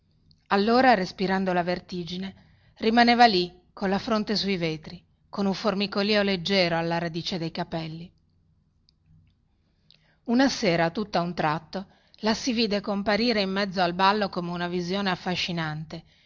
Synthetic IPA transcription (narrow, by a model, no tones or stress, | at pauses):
alːoːɾarespiɾand̪olavert̪iːd͡ʒine | rimaneːvali | kːonlːafɾont̪esuiveːt̪ɾi | konuɱformikoliːoled͡ʒːɛːɾoalːaɾad̪iːt͡ʃed̪ejkapɛlːi | unaseːɾat̪ut̪ːaunt̪ɾat̪ːo | lasiviːd̪ekompaɾiːɾeimːɛd̪zːoalbalːokomeunavizjoːneafːaʃːinant̪e